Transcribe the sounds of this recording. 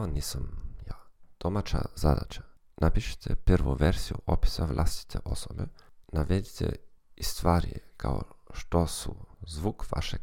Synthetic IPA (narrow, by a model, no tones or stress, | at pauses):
aniːsamjaːd̪̥omat͡ʃa̰zad̪at͡ʃḁ | napiʃe̥t̪ʰɛpr̩ʋuʋeɾzijuʔopi̥saʋlˠʔa̰st̪i̥t̪ʰeʔosobenaʋed̪it̪ʰḛist̪ʋaːɾijekʰa̰oʃt̪osuzʋuːkʋa̰ʃe